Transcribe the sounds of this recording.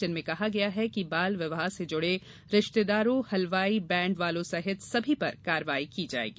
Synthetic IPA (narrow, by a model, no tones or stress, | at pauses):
ənmẽkɐɦaɡɐjaɦɛkibaːlʋɪʋɦased͡ʒʊɽe | ɾɪʃt̪ed̪aːɾõhɐlʋaːibɛ̃ːɳɖʋaːlõsɐɦɪt̪sɐbʱipɐɾkaːɾʋaːikid͡ʒa̰ːḛːɡiː